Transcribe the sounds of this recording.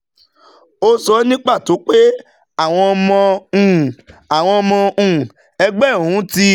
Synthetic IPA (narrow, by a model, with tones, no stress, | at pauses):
o˧sɔ˧˦nĩ˦k͡pa˦˨to˨˦k͡pe˦ | a˦˨w̃ɔ̃˧mɔ̃˧ũ˨a˨w̃ɔ̃˧mɔ̃˧ũ˦˨ | ɛ˧ɡ͡bɛ˦˨ũ˨˦ti˦